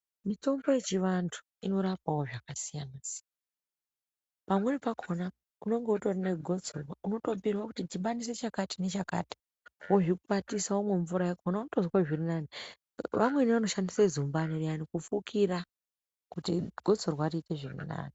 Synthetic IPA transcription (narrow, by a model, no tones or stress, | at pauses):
mito̞mbo̞je̞t͡ʃiʋantʰu̥ | ino̞ɾapawo̞ʐakasijanas | pamwenipakʰo̞na | uno̞ŋɡeuto̞rane̞ɡʱo̞d͡zorwauno̞to̞pirwakutitiɓanis̬e̞t͡ʃakatine̞t͡ʃaka̰ːti̥ | woʐikupatisaomwe̞ɱvuɾajekonaunotozaʐirinani | ʋamwe̞niʋano̞ʃandisezumbanirianikufukʰira | kutiɡʱo̞d͡zorwariite̞ʐirḭna̰ːni